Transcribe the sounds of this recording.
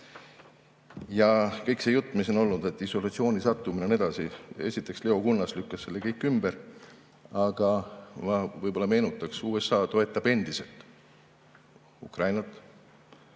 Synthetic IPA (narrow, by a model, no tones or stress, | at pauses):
jɑkɤ̞jkse̞jut̪ːˑmis̬o̞no̞lnud̪̥e̞t̪ːˑiso̞lɑt̪sio̞ːnisɑt̪ːˑumine̞ne̞d̪̥ɑsiesit̪ːˑe̞ksle̞o̞kunːɑslykːɑsːe̞lːekɤjkːˑymb̥eɾ | ɑɡ̥ɑvɑvɤjb̥o̞lːɑme̞ːnut̪ːˑɑksuːe̞sːɑːt̪o̞e̞t̪ːˑɑb̥e̞nd̪ise̞lt̪ˑ | ṵkrɑjnɑt̪ːˑ